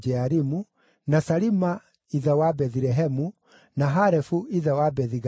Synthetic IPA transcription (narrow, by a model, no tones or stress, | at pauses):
d͡ʒɛaɾimu | nasaɾima | iðawabɛðɾɛɦɛmu | naɦaɾɛfuiðawabɛðiɣ